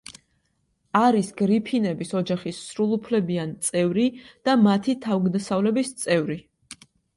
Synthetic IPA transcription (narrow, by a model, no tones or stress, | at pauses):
aɾisɡ̥ɾipʰinɛbisɔd͡ʒaχisːɾulˠupʰlɛbiant̪sʼɛvɾid̪̥amat̪ʰit̪ʰavɡd̪asavlɛbist̪sʼɛvɾi